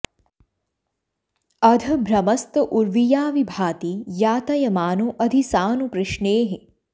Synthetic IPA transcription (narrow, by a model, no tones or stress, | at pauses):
ɐd̪ʱɐ̆bʱɾɐmɐst̪ɐʔuɾʋijaːʋibʱaːt̪ijaːt̪ɐjɐmaːnuʔɐd̪ʱisaːnupɾɪʃneːɦɪ